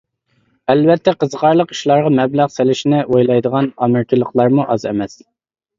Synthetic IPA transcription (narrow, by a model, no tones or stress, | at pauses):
ɛlvɛt̪ʰːɛqʰəzʁɑɾlˠəqi̥ʃlˠɑɾʁɑmɛblæʁselɪʃinɪʔojlˠɑjd̪əʁɑnɑmɪɾkʲʰilˠəqlˠɑɾmuʔɑzɛ̰mɛs